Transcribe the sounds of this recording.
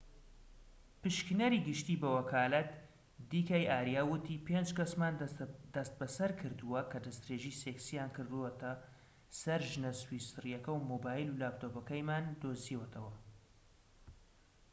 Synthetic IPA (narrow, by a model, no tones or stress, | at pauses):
pɨʃknɐɾiːɡɨʃt̪iːbɐwɐkʰaːlɐt̪ | d̪iːkajʔaːɾijaːwʊt̪ʰiːpeːnd͡ʒkɐsmaːnd̪ɐst̪̚bɐsɐɾkʰɨɾd̪uwɐkʰɐd̪ɐst̪ɾeːʒiːseksijaːnkɨɾd̪uwɐt̪ʰɐ | sɐɾʒɨnɐswisɨrjɐkɐwmoːbaːjilulaːbt̪oːpɐkɐjmaːnd̪oːziwɛt̪ʰɐwɐ